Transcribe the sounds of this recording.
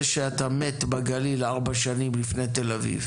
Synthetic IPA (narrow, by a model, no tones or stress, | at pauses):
ʃeat̪amet̪baɡalilaʁbaʃanimlifnet̪e̞lavḭv